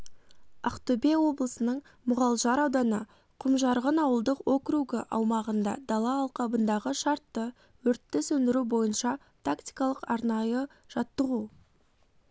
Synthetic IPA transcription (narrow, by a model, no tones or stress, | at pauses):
ɑqt̪obewo̞blˠəsənəɴ | mʊʁɑlˠʒɑɾɑwd̪ɑnə | qʰʊmʒɑɾʁənɑwəlˠd̪əqwokɾuɡəʔɑwmɑʁənd̪ɑ̰d̪ɑlˠɑːlˠqɑbənd̪ɑʁəʃɑɾt̪ːə | wɵɾt̪ːɪsɵnd̪ɪɾubo̞jənʃɑ | t̪ʰakt̪i̥jkɑlˠəqɑɾnɑjə | ʒ̥ɑt̪ːəʁu